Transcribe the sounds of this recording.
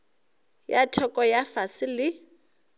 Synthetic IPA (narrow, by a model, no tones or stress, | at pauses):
jatʰɔkʼɔjafasɪlɪ